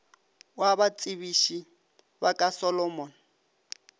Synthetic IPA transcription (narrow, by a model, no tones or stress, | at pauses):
wabat͡sʼiβiʃi | bakʼasɔlɔmɔn